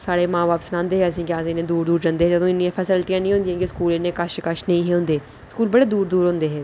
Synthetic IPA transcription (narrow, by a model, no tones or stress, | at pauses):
saːɽeːmãːʋaːpsnãːnd̪eːɦɛːəs̬ĩːkɪaːsĩːneːd̪uːɾd̪uːɾd͡ʒə̃nd̪eːɦɛːd͡ʒəd̪õːɪnijãːpʰɛːsəlt̪ijãːnĩːɦʊ̃nd̪ijãːkɪskuːlɪnẽːkəʃkəʃnəĩːɦɛːɦʊ̃nd̪eː | skuːlbəɽeːd̪uːɾd̪uːɾɦõːnd̪eːɦɛː